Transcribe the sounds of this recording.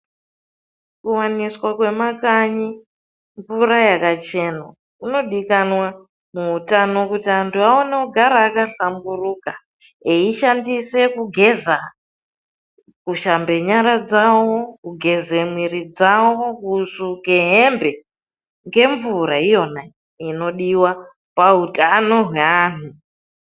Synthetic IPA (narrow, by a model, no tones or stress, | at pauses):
kuwaniswakwe̞makaɲi | ɱvuɾajakat͡ʃe̞na | uno̞ɗikanwa | muutano̞kutiantʰuaoneuɡʱaɾaːkaɬamburuka | eiʃandise̞kuɡʱe̞za | kuʃambe̞ɲaɾad͡zawokuɡʱe̞zemwiɾid͡zawokusukeɦembe̞ | ŋɡe̞ɱvuɾaijo̞na | ino̞ɗiwa | paɦutʼano̞ɦweaːn̤u